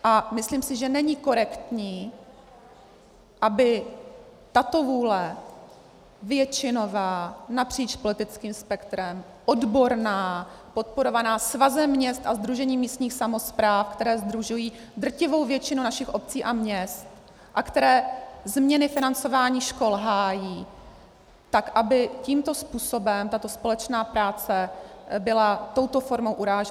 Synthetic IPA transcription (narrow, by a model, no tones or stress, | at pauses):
ʔamɪsliːmsɪʒɛnɛɲɪko̞ɾɛkt̪ɲiː | ʔabɪ | t̪at̪o̞vuːlɛ | vjɛt͡ʃɪno̞vaːnapr̥iːt͡ʃpo̞lɪt̪ɪt͡skiːmspɛkt̪ɾɛm | ʔo̞dbo̞ɾnaːpo̞t̪̚po̞ɾo̞vanaːsvazɛmːɲɛst̪ʔazd̪ɾuʒɛɲiːmiːst̪ɲiːxsamo̞spɾaːfkt̪ɛɾɛːzd̪ɾuʒujiː | d̪r̩cɪvo̞wvjɛt͡ʃɪnunaʃɪxʔo̞p̚t͡siːʔamɲɛst̪ | ʔakt̪ɛɾɛːzmɲɛnɪfɪnant͡so̞vaːɲiːʃko̞lɦaːjiː | t̪akʔabɪciːmt̪o̞spuːso̞bɛmt̪at̪o̞spo̞lɛt͡ʃnaːpɾaːt͡sɛbɪlat̪o̞wt̪o̞fo̞ɾmowʔuɾaːʒɛ